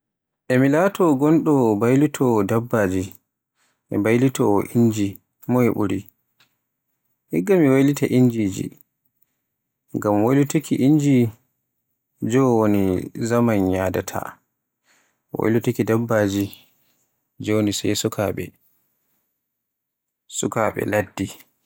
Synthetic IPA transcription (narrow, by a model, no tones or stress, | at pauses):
ʔɛmilaːtɔɡɔnɗɔbajlitʰɔːdabːaːd͡ʒi | ʔɛ̰bajlitɔːʔiɲd͡ʒi | mɔhɛɓuɾi | hiɡːamiwajlitaʔiɲd͡ʒiːd͡ʒḭ | ŋɡamwajlutikʰiʔiɲd͡ʒi | d͡ʒɔwonizamanjaːda̰tʰa̰ | wa̰jlutakidabːaːd͡ʒi | d͡ʒɔwonisajsukʰa̰ɓɛ̰ | sukaɓɛ̰ladːi